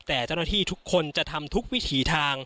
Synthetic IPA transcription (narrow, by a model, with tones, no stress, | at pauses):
t̪ɛː˨˩t͡ɕa˥˩wna˥˩t̪ʰiː˥˩t̪ʰu˦˥kʰːo˧nt͡ɕa˨˩t̪ʰa˧mt̪ʰu˦˥k̚wi˦˥t̪ʰiː˩˦t̪ʰaː˧ŋ